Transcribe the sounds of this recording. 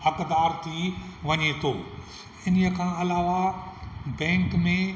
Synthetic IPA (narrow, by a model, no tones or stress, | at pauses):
ɦɐkd̪aːɾt̪ʰiʋɐɲet̪ʰoː | ɪniə̆kʰãːɐlaːʋa | bɛ̃ːŋkmẽ